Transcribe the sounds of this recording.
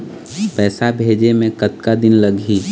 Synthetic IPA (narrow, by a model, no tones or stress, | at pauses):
pɛːsabʱeːd͡ʒemẽkət̪kad̪ɪnləɡɦiː